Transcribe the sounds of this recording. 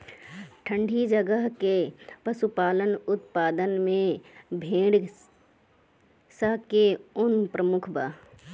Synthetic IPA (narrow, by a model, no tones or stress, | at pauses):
ʈʰə̃ɳɖʱid͡ʒəɡəɦkepəsupaːlənʊt̪paːd̪ənmẽbʱẽːɽ | səɦkeʊnpɾəmʊkʰba